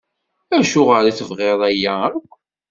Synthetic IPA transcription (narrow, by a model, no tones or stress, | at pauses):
æʃʊʁəɾiθəvʁeðˤæjæækʷː